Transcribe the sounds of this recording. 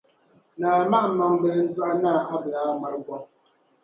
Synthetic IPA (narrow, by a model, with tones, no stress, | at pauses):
naː˨ma˦ʔ̩˨ma˨m˦bə˨ln̩˦da˦ʔa˦na˦˨a˦bla˨˦ma˨ɾɡɔ˦